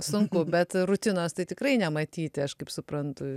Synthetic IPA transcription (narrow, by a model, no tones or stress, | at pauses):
sʊŋkʊbʲɛt̪ɾʊt̪ʲɪnoːst̪ɐɪt̪ʲɪkɾɐɪnʲɛmɐt̪ʲiːt̪ʲɪɐʃkɐɪpsʊpɾɐnt̪ʊ